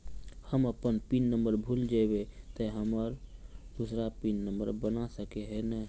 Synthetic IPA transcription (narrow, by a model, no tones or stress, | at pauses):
həməpənpinːəmbəɾbʱuld͡ʒabet̪əɦəməɾd̪usɾapinːəmbə̰ɾbənasəkeɦɛnɛ